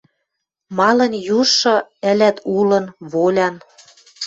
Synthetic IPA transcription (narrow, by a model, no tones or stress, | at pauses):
mɑlɤ̆njuʃɤ̆ɘ̆lʲæt̪ʰulɤ̆nβolʲɑn